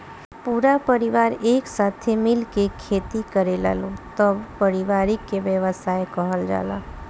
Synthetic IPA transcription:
puːɾapəɾiʋaːɾeːksaːt̪ʰemɪlkekʰːeːt̪ikəɾela̰ːlot̪əbpəɾɪʋaːɾɪkːeʋjəʋəsaːjkəɦəld͡ʒa̰ːla̰

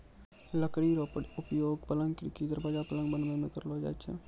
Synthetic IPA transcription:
ləkɽiɾʊpjoːɡpələ̃ŋɡkɾikid̪əɾbaːd͡ʒapələ̃ŋɡbə̃nd̪ʋẽmẽkəɾlod͡ʒa̰ːt͡ʃʰḛ

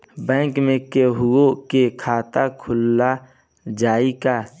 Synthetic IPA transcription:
bɛ̃ːŋkmẽkeɦʊokekʰaːt̪akʰʊlːa | d͡ʒaːika

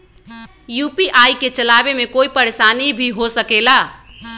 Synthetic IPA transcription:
jupiʔajket͡ʃəlabemekoipəɾesanibʱiɦosəkela

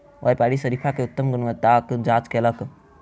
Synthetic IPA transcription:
ʋajpaɽisəɾipʰakeʊt̪ːəmɡunʋət̪akd͡ʒaːt͡ʃkelək

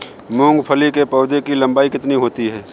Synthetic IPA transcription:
mũːŋɡpʰɐlikepɐːʊd̪ekilɐ̃mbaːikɪt̪niɦoːt̪iɦɛː

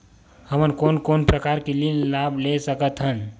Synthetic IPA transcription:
həmənkonkonpɾəkaɾkilinlablesəkət̪ɦən

